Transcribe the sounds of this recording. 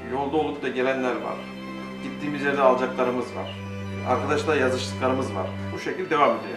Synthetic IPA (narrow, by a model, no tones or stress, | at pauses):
jo̞lˠd̪alˠup̪d̪aɟeɾʲænlʲæɾva̰ɾ | ɟ̥it̪ːiːmizlʲeɾnʲɛaːlˠd͡ʒaklˠaɾɯmɯzva̰ɾ̥ | a̰ɾkʰad̪aʃlˠaɾjazɯʃlˠɯklˠaɾɯmɯzva̰ɾ̥ | buʃecilʲd̪e̞vamed̪ij